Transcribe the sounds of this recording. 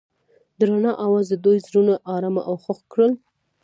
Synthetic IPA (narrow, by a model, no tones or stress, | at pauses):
d̪ɾanɑʔawɑzd̪əd̪ujzɾunaʔɑɾama̰ʔawxʊxkɽəl